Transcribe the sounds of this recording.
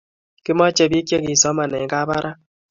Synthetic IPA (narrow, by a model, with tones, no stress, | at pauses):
kɪ˦mɔ˦t͡ʃe˦bi˦ke˦ki˨sɔ˨˦ma˨nɛ˨˦ka˦ba˦ɾʔa˦